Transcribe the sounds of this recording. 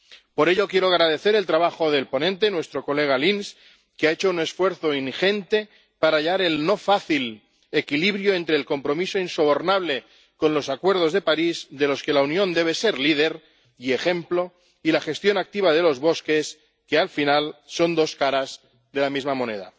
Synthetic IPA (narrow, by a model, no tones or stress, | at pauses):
po̞ɾe̞ʎokje̞ɾoaɣɾað̞e̞θe̞ɾe̞lt̪ɾaβaxo̞ð̞e̞lpo̞nẽ̞nt̪̬e̞nwe̞st̪ɾo̞kole̞ɣ̞alins | keaet͡ʃoune̞sfwe̞ɾθo̞inxe̞nt̪e̞ | paɾaʎaɾe̞lno̞faθil | ekiliβɾjoẽ̞nt̪ɾeːlko̞mpɾo̞misoinso̞β̞o̞ɾnaβ̞le̞ | ko̞nlo̞sakwe̞ɾð̞o̞zðe̞paɾizðe̞lo̞ske̞launjõ̞nd̪e̞β̞e̞se̞ɾlið̞e̞ɾ | ie̞xe̞mplo̞ | ilaxe̞st̪jo̞nak̚t̪iβ̞aðe̞lo̞zβo̞ske̞s | kealfinalso̞nd̪o̞skaɾaz | ðe̞lamizmamõ̞ne̞̰ða̰